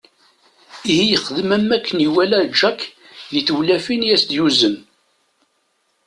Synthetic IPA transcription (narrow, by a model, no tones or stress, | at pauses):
ihijəχəðəmæmːækːəniwælæd͡ʒækː | ðiθəwlæfinjæsd̪juzəm